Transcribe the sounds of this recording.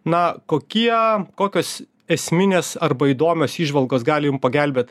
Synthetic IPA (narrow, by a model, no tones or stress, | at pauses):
nɐkoːkʲiɛkoːkʲoːs | ɛsʲmʲɪnʲeːsɐrbɐiːd̪oːmʲoːsiːʒʋɐlˠɡoːsɡɑːlʲɪjʊmpɐɡʲælʲbʲeːt̪